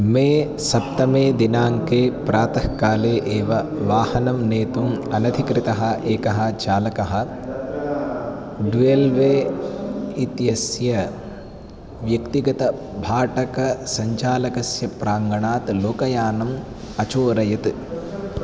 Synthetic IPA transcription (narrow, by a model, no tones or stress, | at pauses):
meː | sɐp̚t̪ɐmeːd̪inaːŋkeːpɾaːt̪ɐhkaːleːʔeːʋɐʋaːhɐnɐmneːt̪umɐnɐd̪ʱikɾit̪ɐɦɐ̆ʔeːkɐɦɐ̆t͡ʃaːlɐkɐɦɐ̆ | ɖuelʋeː | it̪jɐsjɐ | ʋjɐkt̪iɡɐt̪ɐ | bʱaːʈɐkɐsɐɲt͡ʃaːlɐkɐsjɐpɾaːŋɡɐɳaːt̪loːkɐjaːnɐm | ɐt͡ʃoːɾɐjɐt̪